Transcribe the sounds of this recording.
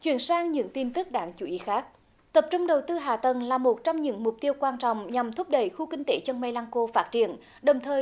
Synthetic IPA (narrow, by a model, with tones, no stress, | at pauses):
t͡ɕwḭ˧˨ənsaː˧ŋɲɨ̰˧˥ŋt̪i˧nt̪ɨ˦˥k̚ɗaː˧˥ŋt͡ɕu˧˦ʔi˧˦xaː˦˥k̚ | t̪ə˨˩p̚t͡ɕʊ˧wŋ͡mɗə˨˩wt̪ɨ˧ɦa̰ː˧˩t̪ə˨˩nlaː˨˩mo˨˩t̚t͡ɕɔ˧wŋ͡mɲɨ̰˧˥ŋmʊ˨˩k͡p̚t̪i˧əwkwaː˧nt͡ɕɔ̰˧˨wŋ͡mɲa˨˩mt̪ʰʊ˦˥p̚ɗə̰˧˩jxu˧kï˧ŋ̟t̪e˧˦t͡ɕə˧nma˧jlaː˧ŋko˧faː˦˥t̚t͡ɕḭ˧˩˨ən | ɗə˨˩wŋ͡mt̪ʰəː˨˩j